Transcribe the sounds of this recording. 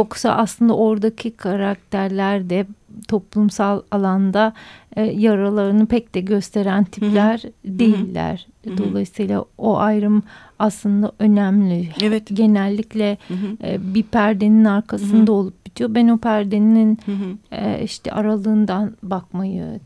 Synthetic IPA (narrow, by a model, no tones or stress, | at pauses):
jo̞ksa̰ʔa̰slˠɯnd̪a̰ʔo̞ɾd̪acʰikʰaɾak̚t̪ʰæɾlʲæɾd̪ɛt̪ʰo̞plˠumsalˠalˠand̪a | jaɾalˠaɾɯnɯpɛcd̪ɛɟø̞st̪ʰe̞ɾænt̪ʰiplʲæɾd̪e̞jilʲːæ̰ɾ̥ | d̪o̞lˠajɯsɯjlˠa̰oʔajɾɯm | aslˠɯnd̪aʔø̞næmlʲiɟe̞nælʲːiclʲɛ | bipʰæɾd̪eninaɾkʰasɯnd̪ao̞lˠup̚ɟit̪ʰijo̞bænopʰæɾd̪enininɛ̰iʃt̪ʰɛ̰ʔa̰ɾalˠɯːnd̪anbakmajɯ̰